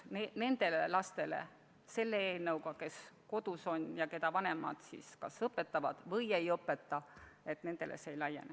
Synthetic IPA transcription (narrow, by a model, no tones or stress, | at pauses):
nene̞nd̪̥e̞lelɑst̪e̞le̞̰ | se̞lːeeːnewkɑke̞sko̞d̪̥uso̞njɑke̞d̪ɑvɑne̞mɑ̰d̪̥sḭskɑ̰sɤpːˑe̞t̪ːˑɑvɑ̰d̪̥vɤje̞jɤpːˑe̞t̪ːˑɑe̞t̪ne̞nd̪̥e̞̰lʔḛseejlɑjene